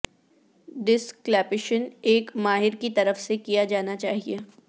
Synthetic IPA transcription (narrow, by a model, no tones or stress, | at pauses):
ɖɪsklɛːpɪʃəneːkmaːɦɪɾkit̪ɐɾəfsekijad͡ʒaːnat͡ʃaːɦieː